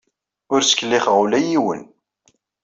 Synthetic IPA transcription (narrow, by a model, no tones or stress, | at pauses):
ʊɾsə̥kːlːɪχʁulæjiwə̰n